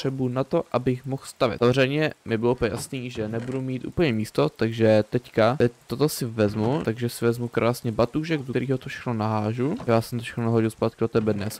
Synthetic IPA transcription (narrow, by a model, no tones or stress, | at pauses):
r̥ɛbunat̪oʔʔabɪxmoxst̪avjɛ̰t̪savrɛjɲɛmɪbɪlop̪̩ja̰sniːʒɛnɛbudumiːt̪ʔṵːpl̩ɲɛmiːst̪ot̪aɡʒɛt̪ɛckat̪ɛc̚t̪ːot̪osɪvɛzmut̪aɡʒɛsɪvɛzmukɾʔaːsɲɛbat̪uːʒɛɡdoɛɾiːɦot̪ofʃɛ̥xnonaɦaːʒujaːsɛmt̪ofʃɛ̥xnonaɦoɟɪlspaːt̪kɪot̪ɛbɛdnɛs